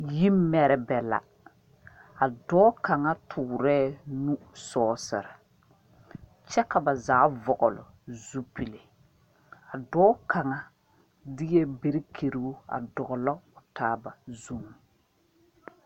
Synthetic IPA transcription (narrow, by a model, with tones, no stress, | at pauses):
ji˦m˦mːɛ˨ɾɪ˨bɛ˨la̰˨ | a˨dɔː˦ka˨ŋa˦tʰʊː˨ɾɛː˦˨nu˦sɔː˦sɨ̰˨ɾɪ˨ | t͡ʃɛ˦ka˨ba˨zaː˨˦vɔ˨ʔʊ˨lʊ̰˨ | zu˦pi˨le˨ | a˨dɔː˦ka˨ŋa˦ | dɪ˦jɛ˦be˦ɾɪ˦kʰe˨ɾi˨˦a̰˨dɔ˨ɣʊ˨lɔ˦ʊ˨taː˦ba˨zu˦m˨